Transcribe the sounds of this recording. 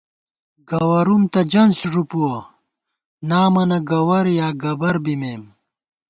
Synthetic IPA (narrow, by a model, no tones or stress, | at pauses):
ɡɐwɐɾumt̪ɐd͡ʑɐnsʐupuwɐ | naːmɐnɐɡɐwɐɾjaːɡɐbɐɾbimeːm